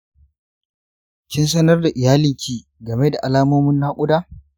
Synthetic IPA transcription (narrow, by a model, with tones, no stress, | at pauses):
kʲɪ˦ns̬ɐ˦nɐ˦rda˨ʔɪ˨jaː˦lɪ˨ŋkʲiː˨ | ɡɐ˨me˦da˨ʔa˨laː˦moː˦mʊ˦nːaː˦kʷʼʊ˦daː˦